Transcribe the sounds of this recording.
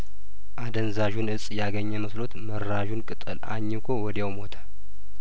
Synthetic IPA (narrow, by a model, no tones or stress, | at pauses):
ʔad̪ənzaʒunɨsʼjaɡəɲːɛməslo̞t̪məɾːaʒunkʼɨt̪ʼɨ̰lʔa̰ɲːɪkʰowɔd̪jawmot̪ʰə̥